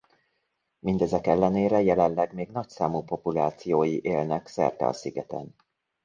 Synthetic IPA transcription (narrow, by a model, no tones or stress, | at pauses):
mind̪ɛzɛkɛlːɛneːɾɛjɛlɛnlɛɡmeːɡn̪ɒcsaːmuːpo̞pulaːt̪sijoːjiʔeːlnɛksɛ̰rt̪ɛ̰ɒ̰siɡɛt̪ɛ̰n